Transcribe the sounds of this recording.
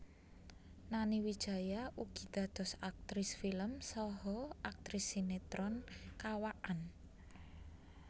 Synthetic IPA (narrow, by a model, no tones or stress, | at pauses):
naniwid̥ʒ̥a̤jaʔuɡ̥i̤d̪̥ä̤d̪̥ɔ̤sak̚t̪ɾisfiləmsɔɦɔak̚t̪ɾisinet̪ɾɔnkawaʔan